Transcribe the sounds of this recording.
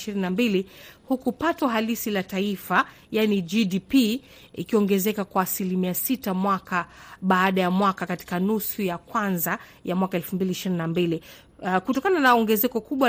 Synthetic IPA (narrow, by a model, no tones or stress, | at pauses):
ʃiɾininambilihukupatɔɦalisilataifa | janid͡ʒidipi | ḭkiɔŋɡɛzɛkakwaːsilimiasitamwakaɓaːɗajamwakakati̥kanusujakwanza | jamwakaɛlfumbiliːʃiɾininambili | kutɔkananaɔŋɡɛzɛkɔkuɓwa